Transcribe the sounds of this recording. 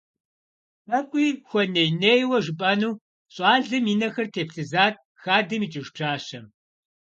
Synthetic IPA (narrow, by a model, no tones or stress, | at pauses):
pɐkʷʼiːxʷɔnejneːjwɐʒɨpʼɐnuː | ɕʼɑːɮɨmiːnɐxɐrtʰeːpʰɬɨzaːt̚ʰʼ | xaːdɨmiːt͡ʃʼɪʒʈ͡ʂʰaːʃɐm